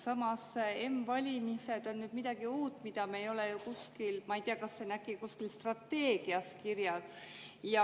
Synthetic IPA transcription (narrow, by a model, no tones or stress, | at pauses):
sɑmɑse̞mvɑlʲimised̪̥o̞nːyːd̪mid̪̥ɑɡ̥iuːt̪ːˑmid̪̥ɑmeejo̞lejukuskilmɑijt̪iɑkɑsːenæɡˑikuskilst̪rɑt̪ːe̞ːɡ̥iɑskirjɑd̥̪jɑ